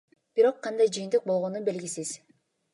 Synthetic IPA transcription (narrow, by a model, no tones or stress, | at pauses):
b̥iɾo̞qʰːɑnd̪ɑjd͡ʒɯjənt̪ɯq̚bo̞lˠʁo̞nunbe̞lɡʲisiz̥